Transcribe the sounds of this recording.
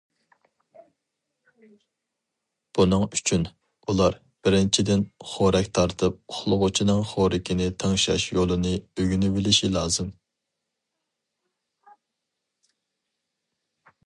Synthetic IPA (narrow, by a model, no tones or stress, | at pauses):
b̥unɨŋyt͡ʃʰyn | ulˠɑɾ | b̥ɪɾɪnt͡ʃʰid̪ɪnχoɾɛkʲt̪ʰɑɾt̪ʰɨp̚χlˠʊʁʊt͡ʃʰinɨŋχoɾɪkʲʰinɪt̪ʰɑŋʃɑ̰ʃjolˠɨnɨøɡʲynybɪlɪʃilˠɑːzɨm